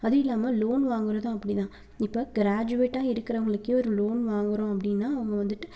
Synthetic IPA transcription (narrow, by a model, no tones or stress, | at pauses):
ɐðɯɪlːaːmɐloːnʋaːŋɡɯɾɐðãːɐpːɐɽit̪ãː | ɪpːoːɡɪɾaːd͡ʒʊʋeːʈːaːɪɾɯkːɪɾɐʋɐŋɡɐɭɯkːjẽɔɾɯloːnʋaːŋɡɪɾõːɐpːɐɽɪnːaːɐʋɐŋɡɐʋɐnd̪ɯʈːɯ̥